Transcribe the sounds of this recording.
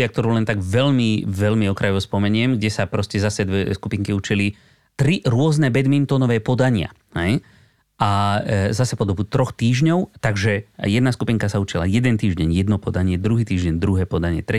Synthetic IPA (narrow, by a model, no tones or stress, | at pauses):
ɪak̚t̪ɔɾuːlɛnt̪aɡʋɛʎmiʋɛlmiɔkɾʔajɔʋɔspɔmɛɲɪɛmɡɟɛsapɾɔscɛzasɛd̪ʋɛskupiŋkiut͡ʃili | t̪ɾiɾʊɔznɛbɛd̪mint̪ɔnɔʋɛːpɔd̪aɲɪa̰ | hɛj | ʔazasɛpɔd̪ɔbut̪ɾɔxt̪iːʒɲɔʊt̪aɡʒɛjɛd̪naskupiŋkasaut͡ʃila̰jɛd̪ɛnt̪iːʒɟɛɲjɛd̪nɔpɔd̪aɲɪɛd̪ɾuɦiːt̪iːʒɟɛɲd̪ɾuɦɛːpɔd̪aɲɪɛ̰t̪ɾɛ